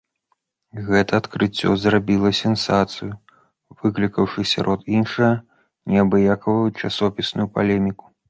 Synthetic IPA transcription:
ɣɛt̪ɐːt̪kɾɨt͡sʲːɔ̰zrabʲilˠɐsʲɛnsat̪sɨju | v̥ɨklʲikɐwʂɨsʲa̰ɾʔɔt̪inʂujɐ | nʲɛɐbɨjakɐvɐjut͡ʂasɔpʲisnujupalʲɛmʲiku̥

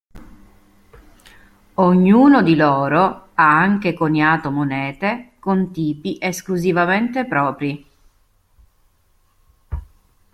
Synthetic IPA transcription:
oɲːuːnod̪ilɔːɾoaaŋkekoɲaːt̪omonɛːt̪ekont̪iːpiʔeskluzivament̪epɾɔːpɾi

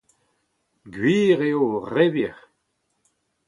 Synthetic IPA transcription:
ɡwiːʁeoʁeviʁ

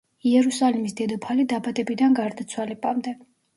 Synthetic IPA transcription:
iɛɾusalimisd̪ɛd̪ɔpʰalid̪abat̪ʼɛbid̪anɡaɾd̪at̪sʰwalɛpʼamd̪ɛ

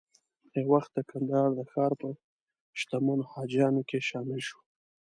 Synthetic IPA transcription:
ewaxt̪̚d̪əkand̪ɑɾd̪əxɑɾpə | ʃt̪amunohɑd͡ʒɑnokeʃɑmɪlʃu̥

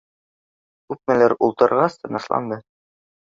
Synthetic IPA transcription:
kʉp̚mælæɾulˠt̪ɤ̆ɾʁɑst̪ɤ̆nɑslˠɑ̰nd̪ɤ

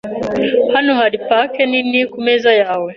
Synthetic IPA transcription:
hanuhaɾipakɛninikumɛzajaːwɛ

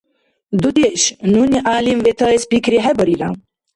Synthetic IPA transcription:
d̪ud̪eɕnuniʔaːlimʋet̪ʰɐespikɾiɦebɐɾiɾam

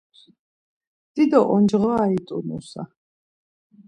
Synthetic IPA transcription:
d̪̥id̪ɔʔɔnd͡ʒʁaːit̪ʼunṵsa̰

